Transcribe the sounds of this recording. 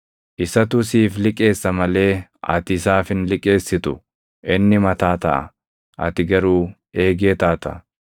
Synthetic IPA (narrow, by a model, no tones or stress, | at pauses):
ʔɪsɐt̪ʊsiːflɪkʼe̞ːsːɐmɐle̞ːɐ̰t̪ɪsaːfɪnlɪkʼːe̞ːsːɪt̪ʊ | ʔɪnːɪmɐt̪aːt̪ɐ̰ʔɐ̰ | ʔɐ̰t̪ɪɡɐɾuː | e̞ːɡeːt̪aːt̪ɐ